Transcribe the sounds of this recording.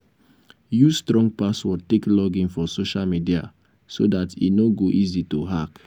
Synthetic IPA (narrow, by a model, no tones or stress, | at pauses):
justɹɔ̃ŋɡ̚paswɔteklɔɡĩnfɔsoʃalmidia̰ | sodatḭnoɡoʔizitoɦak